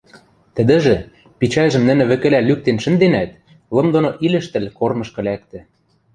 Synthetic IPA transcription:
t̪ə̆d̪ɘ̆ʒɘ̆ | pit͡ɕɑjʒə̆mnɘ̆nɘ̆βɘ̆kɘ̆lælyk̚t̪enʃɘ̆nd̪enæt̪̚ | lɤ̆md̪onoʔilʲɘ̆ʃt̪ɘ̆lʲkormɤ̆ʃkɤ̆læk̚t̪ɘ̆

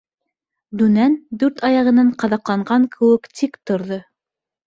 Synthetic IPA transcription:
d̪ʉnænd̪ʉɾt̪ɑjɑʁɤ̆nɑɴqɑðɑqlˠɑɴɢɑŋkʰɘ̆wɘkt̪ʰikt̪ŏɾðo

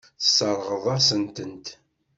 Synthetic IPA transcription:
θsːəɾˤʁəðˤɑsənt̪ənt̪

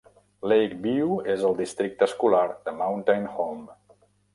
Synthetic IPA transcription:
lejk̚biuezəlˠd̪ist̪ɾik̚t̪əskulaɾðəmawnt̪ajnholm

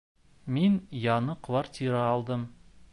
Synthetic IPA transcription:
minjɑnɤqʰvart̪ʲiɾaːlˠd̪ɤm

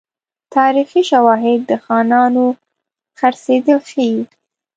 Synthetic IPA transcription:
t̪ɑɾixiʃawɑɦɪd̪ːəxɑnɑno | xaɾsed̪əlxəji

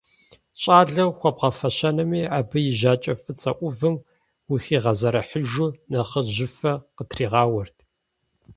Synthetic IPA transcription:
ɕʼaːɮɐwxʷɔb̚ʁɐfɐɕɐnɐmiːaːbɨjɪʒaːt͡ʃʼɐfɨt͡sʼɐʔʷʊvɨm | wixiːʁɐzɐɾɐħəʒunɐχəʑɪfɐqətʰriːʁɑːwɐrtʰ

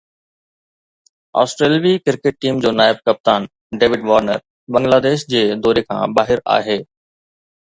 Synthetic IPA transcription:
ɔ̰ːsʈɾeːlʋikɪɾkɪʈ̚ʈiːmd͡ʑoːnaːɪb̚kɐp̚t̪aːn | ɖeːʋɪɖʋaːɾnə̰ɾ | bɐ̃ŋɡlaːd̪eːʃd͡ʑeːd̪ɔːɾekʰã̰ːbaːɦɪɾa̰ːɦeː

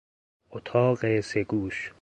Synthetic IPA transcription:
ʔot̪ʰɒːɢeseɡuːʃ

